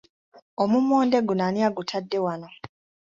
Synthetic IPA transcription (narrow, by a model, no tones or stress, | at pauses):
omumoːnde̞ɡunaniaɡutʰadːe̞wano